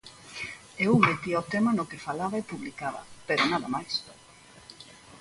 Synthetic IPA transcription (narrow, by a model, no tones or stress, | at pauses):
ewmet̪iot̪emanʊkefalaβɐepuβlikaβɐ̰peɾʊnaðɐ̰majs